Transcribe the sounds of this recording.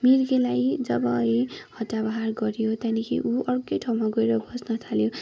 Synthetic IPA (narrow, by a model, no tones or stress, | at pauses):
miɾɡelajd͡zʌbʌihʌt̪ːabaɦarɡʌɾjot̪anikʰḭʔuʔʌrkʌjʈʰawmaɡoeɾʌbʱʌsnʌt̪ʰaljo